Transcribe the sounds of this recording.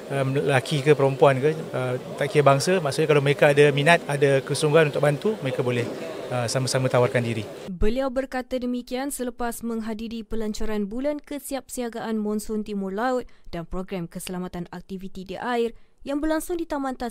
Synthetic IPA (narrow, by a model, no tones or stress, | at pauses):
əllakʰikəpəɾɔmpuankəət̪aʔkiabaŋsamaʔsuʔɲakalawməɾekaːdamĩnat̪̚adakəsuŋɡanunt̪ʊk̚bant̪uməɾekabolɛhəsamãsamãt̪awarkandiɾibəliawbərkat̪adəmikiansələpasməŋɦadiɾipəlaɲt͡ʃaɾanbulankəsiap̚siaɡaʔanmɔnsʊnt̪imʊrlaʊt̪̚danpɾɔɡɾamkəsəlamat̪anak̚t̪ivit̪idiʔairjaŋbərlaŋsʊŋdit̪amant̪as